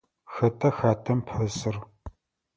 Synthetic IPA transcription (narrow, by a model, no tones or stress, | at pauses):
xɐtʰʼɐxaːtʰɐmpʰħɐsɨr